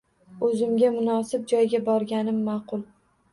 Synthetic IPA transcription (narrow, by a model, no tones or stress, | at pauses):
ɵzɪmɡʲamʊnɒsɪb̚d͡ʒɒjɡʲabɒɾɡʲanɪmːaqʊlˠ